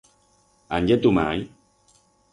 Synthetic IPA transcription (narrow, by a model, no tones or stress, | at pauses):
a̰njet̪uma̰j